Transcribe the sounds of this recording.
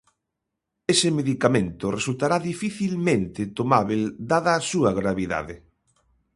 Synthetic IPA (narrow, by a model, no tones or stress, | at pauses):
esɪmeðikamẽnt̪ʊresult̪aɾaðifiθilmẽnt̪ɪt̪omaβeld̪aðaːsuɐɣɾaβiða̰ðɪ